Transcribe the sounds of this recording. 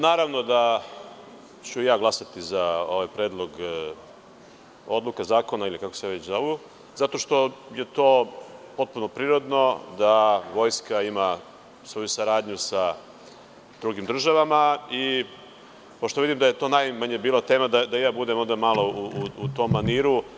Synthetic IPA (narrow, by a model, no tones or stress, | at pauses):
naːɾaʋno̞d̪a | t͡ɕujaːɡlˠasat̪izao̞ʋajpɾe̞ːd̪lˠo̞ɡ | od̪lˠukazaːko̞nailikako̥seaʋet͡ɕzaoʋu | zat̪o̞ʃt̪o̞je̞t̪o̞ːpo̞t̪̚puno̞pɾiːɾo̞d̪no̞d̪aʋo̞jskaima | sʋo̞jusaɾaːd̪ɲusa | d̪ɾuɡimd̪r̩ʒaʋamai | poʃt̪oʋid̪imd̪aje̞t̪o̞ːnajmaɲebiːlˠat̪e̞ːmad̪ad̪ajaːbud̪emo̞nd̪amalˠo̞uuut̪o̞ːmːaniːɾu